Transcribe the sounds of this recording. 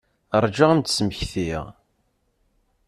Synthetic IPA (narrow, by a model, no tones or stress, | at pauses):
əɾˤd͡ʒaʁənt̪sməçθiʁ